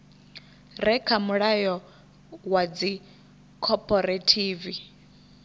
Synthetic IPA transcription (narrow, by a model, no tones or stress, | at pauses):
rɛkʰamuɺajɔ | wad͡zi | kʰɔpʰʼɔɾatʰiːvi